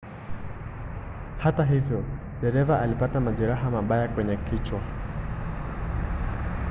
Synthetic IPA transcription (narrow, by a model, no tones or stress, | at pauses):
hataɦivjɔ | ɗɛɾɛvaʔalipatamaʄɛɾaɦamaɓajakwɛɲɛkit͡ʃwa